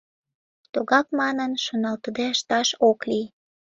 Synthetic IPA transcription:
t̪uɣɑkmɑnənʃonɑlt̪əd̪eəʃt̪ɑʃokli

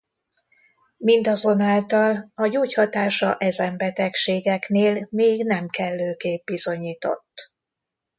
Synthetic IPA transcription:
mind̪ɒzo̞naːlt̪ɒlɒɟuːchɒt̪aːʃɒʔɛzɛmbɛt̪ɛkʃeːɡɛkneːlmeːɡnɛmkɛlːøːkeːb̚bizo̞ɲiːt̪o̞̰t̪ː

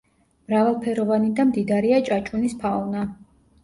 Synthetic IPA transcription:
mɾavalˠpʰɛɾɔvanid̪amd̪id̪aɾiat͡ʃʼat͡ʃʼunispʰaɔna

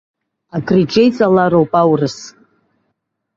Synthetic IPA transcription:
akʰriʈ͡ʂʼejt͡sʼalaɾowpʼawrɨsʼ

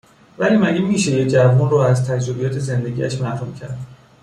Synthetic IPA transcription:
væliːmæɟemiːʃejed͡ʒævunroæzt̪ʰæd͡ʒɾobijɒːt̪ʰe̞ze̞nd̪e̞ɟḭæ̰ʃmæhɾumcʰæ̰ɾd̪̥

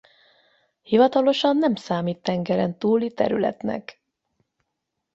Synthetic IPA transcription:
hivɒt̪ɒlo̞ʃɒnːɛmsaːmiːt̪ːɛŋɡɛɾɛnt̪uːlit̪ɛ̰ɾylɛ̰t̪nɛ̰k

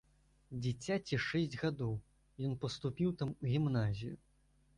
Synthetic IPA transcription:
d͡zʲɪt͡sʲːat͡sʲiʂɛsʲd͡zʲɣad̪ɔw | jɔnpɐst̪upʲiwt̪amuɣʲimnazʲiju

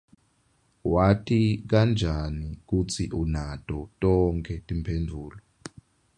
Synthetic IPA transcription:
watʰik̬and͡ʒʱanik̬ut͡sʰiʔunatʼɔtʼɔŋkʰɛtʼimpʰendʱuːlɔ

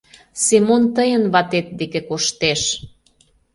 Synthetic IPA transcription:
simont̪əjənβɑt̪et̪̚d̪ekekoʃt̪eʃ

